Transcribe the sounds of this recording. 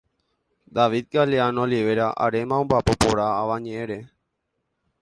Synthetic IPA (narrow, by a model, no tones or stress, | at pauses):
d̪aʋid̪̚ɡaleanoliʋeɾaʔa̰ɾemãõmbapopoɾaːʋaɲeeɾe